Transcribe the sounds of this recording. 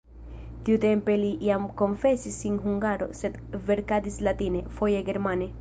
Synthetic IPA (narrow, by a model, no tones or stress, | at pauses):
t̪iut̪empeliʔjamko̞ɱfesisːinɦuŋɡaɾo̰sed̪veɾkad̪islat̪inefojeɡeɾmane